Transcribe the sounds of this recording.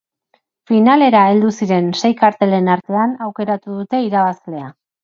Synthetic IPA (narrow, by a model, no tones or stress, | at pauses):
finale̞ɾae̞ld̪usiɾe̞nse̞jkaɾt̪e̞le̞naɾt̪e̞anawke̞ɾat̪uðut̪e̞iɾaβazle̞a